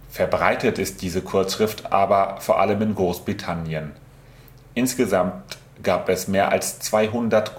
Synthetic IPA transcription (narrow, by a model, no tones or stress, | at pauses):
fɛɐbʁaɪtətɪst̚d̥iːzəkʰʊɐt͡sʃʁ̥ɪftʰʔa̰ːbɐfoːɐʔa̰ləmɪnɡʁoːsb̥ʁitʰanjən | ʔɪnsɡ̥əzamtt | ɡ̥aːpɛsmeːɐʔa̰lst͡sv̥aɪɦʊndɐt